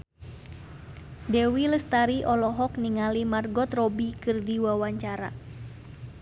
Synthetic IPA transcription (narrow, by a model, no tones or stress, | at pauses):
dewiləst̪aɾiʔɔlɔɦɔk̚niŋalimarɡɔt̪rɔbikɨrdiwawaɲt͡ʃaɾa̰